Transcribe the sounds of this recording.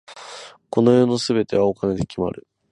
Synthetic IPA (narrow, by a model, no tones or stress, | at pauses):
ko̞no̞joːno̞sɨbe̞t̪e̞βaokane̞d̪e̞kʲima̰ɾɯ̟